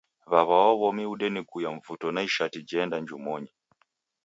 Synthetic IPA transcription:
βaβawɔβɔmiuɗɛnɛkujaɱvutɔnaiʃatid͡ʒɛndaɲd͡ʒumɔɲi

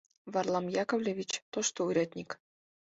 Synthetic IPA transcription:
βɑrlˠɑmjɑkovlʲevʲit͡ɕt̪oʃt̪oujɾʲɑt̪ʲnʲik

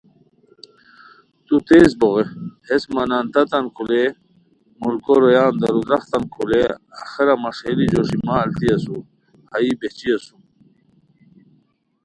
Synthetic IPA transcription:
t̪ut̪eːsboɣehesmanant̪at̪ɐnkʰule | mulkoɾojaːnd̪ɐɾud̪ɾɐχt̪ankʰuleaxeɾamaʂelid͡ʑoʂimaːlt̪iɐsu | haibet͡ɕiasum

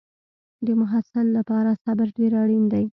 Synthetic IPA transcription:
d̪əmʊɦasɪlːapɑɾasabɪɾɖeɾaɽind̪aj

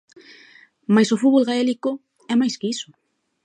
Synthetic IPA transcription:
majsofutβolɣaeliko | ɛmajskeiso̥

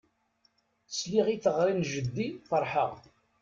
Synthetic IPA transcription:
sliʁiθəʁɾinʒəd̪ːifəɾˤħəʁ

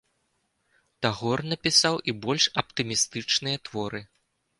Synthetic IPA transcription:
t̪aɣɔrnɐpʲisawʔibɔlʲʂɐpt̪ɨmʲist̪ɨt͡ʂnɨjɐt̪vɔɾɨ

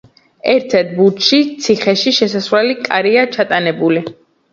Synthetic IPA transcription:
ɛɾt̪ʰɛɾt̪̚ʰbut̪ʃit̪sʰiχɛʃiʃɛsasvwɛlikʼaɾiat͡ʃʰat̪ʼanɛbuli

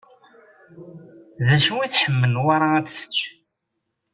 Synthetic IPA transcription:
ðæʃuwiθħəmːənwaɾˤaæt̪sə̥t͡ʃː

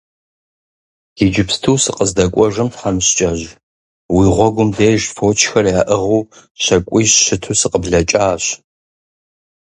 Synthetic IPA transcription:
id͡ʒɪpstʰuːsɨqʼəzdɐkʷʼɔʒɐmtħamɕt͡ʃʼɐʑ | wiʁʷɔɡʷʊmdeːʒfoːt͡ʃʰxɐrjaːʔəʁuː | ɕɐkʷʼiːɕɕɪtʰuːsɨqʼəbɮɐt͡ʃʼaːɕ

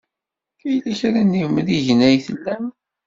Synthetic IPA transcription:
kæjlæçɾænːimðiʝnæjθəlːæm

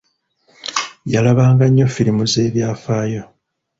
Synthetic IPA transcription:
jalaβaːŋɡaɲːo̞fiɾimuze̞ːβjaːfaːjo̞

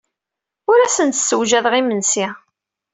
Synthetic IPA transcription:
ʊɾæsənt̪səwʒæðʁimənsi

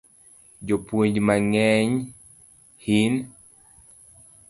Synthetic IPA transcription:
d͡ʒopweɲd͡ʒmaŋɛɲ | hin

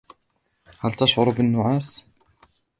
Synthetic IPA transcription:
hælt̪aʃʕʊɾʊbənːʊʕaːs

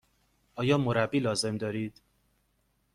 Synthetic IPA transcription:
ʔɒːjɒːmoɾæbːiːlɒːze̞md̪ɒːɾiːd̪̥

